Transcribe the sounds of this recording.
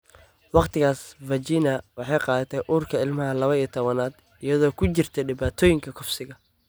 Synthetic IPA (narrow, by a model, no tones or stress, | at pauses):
wɑqt̪ʰɪɣaːsvɐt͡ʃiːnɐwɑħɑjqɑːðɐt̪ʰɛʔuːrkʰɐɪlmɐɦɐlɐβɐiːt̪ʰɔβɐnaːd̪ | ijɐðɔːkʰʊt͡ʃɪrt̪ʰɛɖɪβaːt̪ʰɔːjɪŋkʰɐkʰʊfsɪɣɐ